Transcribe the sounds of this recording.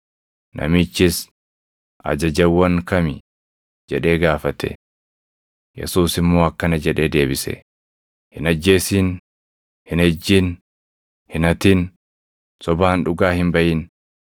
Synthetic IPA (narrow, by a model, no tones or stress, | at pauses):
nʔɐ̰mɪt͡ʃːɪs | ʔɐ̰d͡ʒɐd͡ʒɐwːɐŋkɐmɪ | d͡ʒɛᶑe̞ːɡaːfɐt̪ʰɛ̰ | jɛ̰suːsɪmːo̞ːɐkːɐnɐd͡ʒɛᶑe̞ːd̪e̞ːbɪsɛ̰ | hɪnɐd͡ʒːe̞ːsiːn | hɪnɛd͡ʒːiːn | hɪnɐt̪iːn | sɔbaːnᶑʊɡaːhɪmbɐʔɪːn